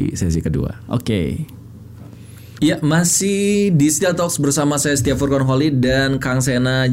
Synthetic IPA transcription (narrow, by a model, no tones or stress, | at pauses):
sɛs̬ikədṵa̰ʔo̰kḛ | jamasɪhdist̪at̪ɔksbərsamasajast̪iafɔrkɔnɦolidankaŋs̬ena